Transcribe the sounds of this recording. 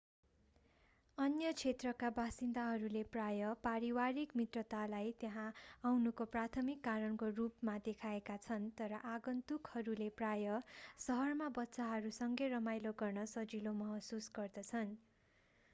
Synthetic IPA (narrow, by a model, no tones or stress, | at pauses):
ʌnjʌt͡sʰet̪rʌkabasind̪aɦʌɾuleprajʌpaɾiwaɾikmit̪rʌt̪alajt̪jeɦãawnukoprat̪ʰʌmikːaɾʌnkorupmad̪ekʰaekat͡sʰʌnt̪ʌɾʌʔaɡʌnt̪ukhʌɾuleprajʌsʌɦʌrmabʌtːsaɦʌɾusʌŋɡerʌmajloɡʌrnʌsʌd͡zilomʌɦʌsusɡʌrd̪ʌt͡sʰʌn